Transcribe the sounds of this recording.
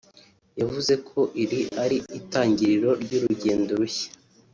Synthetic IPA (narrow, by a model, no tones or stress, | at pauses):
javuze̞kʰo̞ʔiɾiaɾiitaːɲɟiɾiɾo̞ɾɟuːɾuɟe̞ːndoɾuçḁ